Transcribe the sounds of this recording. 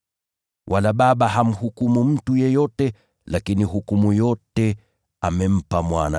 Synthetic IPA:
wʔalaɓaɓaɦam̩hukumum̩tujɛjɔtɛ | lakiniɦukumujɔtɛ | amɛm̩pamwana̰

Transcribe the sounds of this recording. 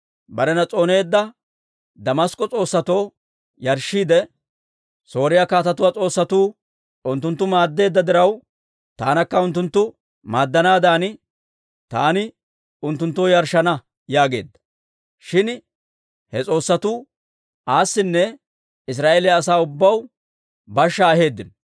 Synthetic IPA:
bɐɾɛnɐt͡sʼo̞ːne̞ːd̪ːɐ | d̪ɐmɐskʼːɔt͡sʼo̞ːsːɐt̪o̞ː | jɐɾʃːiːd̪ɛ | so̞ːɾɪjakaːt̪ɐt̪ʊwat͡sʼo̞ːsːɐt̪uː | ʊnt̪ːʊnt̪ːʊmaːd̪ːe̞ːd̪ːɐd̪ɪɾɐw | t̪a̰ːnɐkːɐʊnt̪ːʊnt̪ːʊ | maːd̪ːɐnaːd̪aːnɪ | t̪aːnɪ | ʊnt̪ːʊnt̪ːoːjɐɾʃːɐnɐ | jaːɡe̞̰ːd̪ːɐ̥ | ʃɪn | hɛt͡sʼo̞ːsːɐt̪uː | aːsːɪnːɛ | ɪs̬ɾaːʔelɪjɐːsaːʊbːɐw | bɐʃːɐːɦe̞ːd̪ːɪnɔ

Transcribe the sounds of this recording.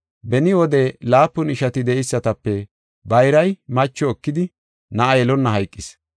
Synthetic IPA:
bɛnɪwɔd̪ɛlaːpːʊnɪʃɐt̪ɪd̪ɛʔɪsːɐt̪ɐpːɛ | bɐjɾɐjmɐt͡ʃːɔɔkːɪd̪ɪ | nɐʔɐjɛlɔnːɐɦɐjkʼːɪs

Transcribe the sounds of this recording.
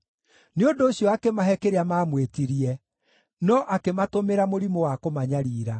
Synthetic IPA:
neondoːɕjɔakemaɦɛkeɾeamaːmwetiɾiɛ | nɔʔakematomeɾamoɾimowakomaɲaɾiːɾa

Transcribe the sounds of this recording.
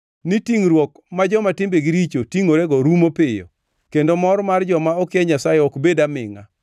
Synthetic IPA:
nitiŋɾwɔk | mad͡ʒɔmatɪmbeɡiɾit͡ʃotiŋoɾeɡɔɾumopɪjo̰ | kendomɔɾmard͡ʒɔmaɔkjɛɲasajɛɔkbedamɪ̰ŋa̰

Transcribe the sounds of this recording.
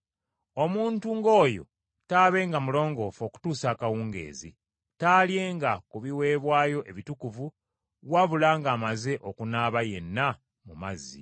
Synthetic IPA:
o̞muːntuŋɡo̞ːjo̞̰ | taːβe̞ːŋɡamulo̞ːŋɡo̞ːfo̞ːku̥tuːsaːkawuːŋɡe̞̰ːzḭ | taːlje̞ːŋɡakuβiwe̞ːβwaːjo̞ʔe̞βitukuvu | waβulaːŋɡaːmaze̞ʔo̞kunaːβaje̞nːa | mumazːḭ

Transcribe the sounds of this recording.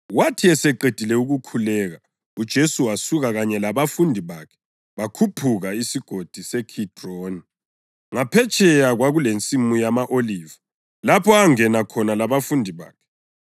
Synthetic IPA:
watʰiɛsɛǃed̥ʱilɛuɣukʰulɛɣa | ud̥ʒ̥ʱesuwasuɣaɣaɲɛlaβafundʱiβakʰɛ̥ | βakʰupʰuɣaisiɡ̥ʱod̥ʱisɛkʰitʼroni | ŋapʰɛt͡ʃʼʰɛjaɣwaɣulent͡sʼimujamaʔoliːva | lapʰɔaŋɛnakʰɔnalaβafundʱiβa̰ːkʰɛ̥

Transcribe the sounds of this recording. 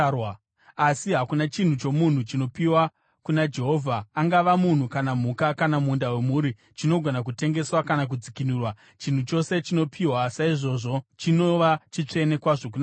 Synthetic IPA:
w | asiɦakunat͡ʃin̤ut͡ʃo̞mun̤ut͡ʃino̞piwa | kunad͡ʒe̞ɦo̞ːvʱaːŋɡaʋamun̤ukanam̤ukakanamundawe̞muːɾi | t͡ʃino̞ɡʱo̞nak̬ute̞ŋɡe̞swakanak̬ud͡zikinuːrwa | t͡ʃin̤ut͡ʃo̞se̞t͡ʃino̞pʰiwasaiʐo̞ːʐo̞t͡ʃino̞ʋat͡ʃit͡ʂe̞ne̞kwaʐo̞k̬una

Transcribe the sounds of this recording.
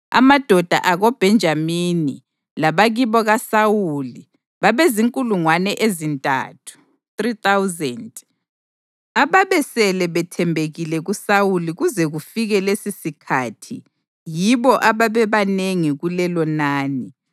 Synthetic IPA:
a̰mad̥ʱɔd̥ʱa̰ʔaɣob̥ʱɛnd͡ʒʱamini | laβaɣiβɔɣasawuli | βaβeziŋkʼuluŋwanɛʔezintʼa̰ːtʰu̥ | t̪rit̪awzɛnd | aβaβɛsɛlɛβɛtʰɛmbʱeɣilɛɣusawuliɣuzɛɣufiɣɛlesisikʰatʰi | jiβɔʔaβaβɛβaneŋiɣulɛlɔnaːni

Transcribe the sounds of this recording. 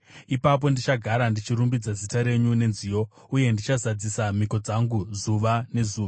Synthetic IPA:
ipap̬o̞ndit͡ʃaɡʱaɾandit͡ʃiɾumbid͡zazitaɾe̞ɲune̞nziːjo̞ | uje̞ndit͡ʃazad͡zisam̤iko̞d͡zaŋɡuzuʋane̞zuːʋa

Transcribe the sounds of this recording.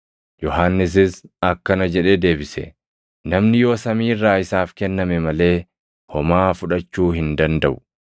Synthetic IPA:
jɔɦanːɪs̬ɪsɐkːɐnɐd͡ʒɛᶑeːd̪e̞ːbɪsɛ̰ | nɐmnɪjo̞ːsɐmiːrːaːɪsaːfkɛnːɐmɛmɐle̞ː | hɔmaːfʊᶑɐt͡ʃːuːhɪnd̪ɐnd̪ɐʔʊ̥

